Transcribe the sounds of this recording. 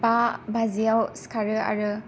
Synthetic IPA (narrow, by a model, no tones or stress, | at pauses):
babaziawskʰaɾɯa̰ɾɯ